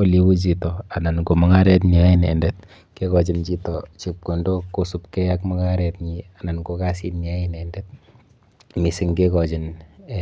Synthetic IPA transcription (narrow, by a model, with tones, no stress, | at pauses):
o˦li˨wu˦t͡ʃ̬i˨tɔ˨a˨na˨nko˨mɔ˦ŋa˦ɾɛ˦t̬ɲi˨a˦ɪ˦nɛ̰˨ndɛ˦t̚ | ke˦kɔ˨t͡ʃi˦nt͡ʃi˦tɔ˨t͡ʃi˨p̚ko˨ndo˦ko˦su˦p̚kɛ˦ja˦kmɔ˦ŋa˦ɾɛ˨t̚ɲi˨a˨na˨nko˦ka˦si˦tɲi˨a˦ɪ˦nɛ˨ndɛ˦t̚ | mi˨si˦ŋke˦kɔ˨t͡ʃi˨n